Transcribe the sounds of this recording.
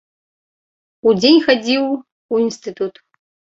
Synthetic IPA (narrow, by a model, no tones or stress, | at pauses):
ud͡zʲenʲxɐd͡zʲiw | uinst̪ɨt̪ʰut̪ʰ